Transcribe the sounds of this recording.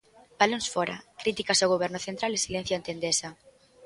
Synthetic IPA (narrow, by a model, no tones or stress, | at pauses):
b̥alõnsfɔɾa̰kɾit̪ikasoɣ̞oβɛɾnʊθent̪ɾalesilẽn̟θjoent̪end̪esɐ